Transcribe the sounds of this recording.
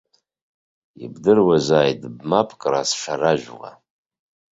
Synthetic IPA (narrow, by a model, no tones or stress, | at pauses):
ḭbdɨrwazaːjdbmapʰʼkʼra̰sʂaraʒᶣʷʁa̰